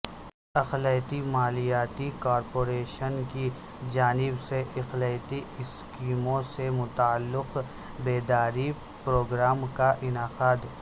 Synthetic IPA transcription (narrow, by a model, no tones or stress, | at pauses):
ɐxləjt̪imaːlijaːt̪ikaːɾpoːɾeːʃənki | d͡ʒaːnɪbseʔɐxləjt̪iɪskiːmõsemʊt̪aːlːɪq | beːd̪aːɾi | pɾoːɡɾaːmkaʔɪnaːqaːd̪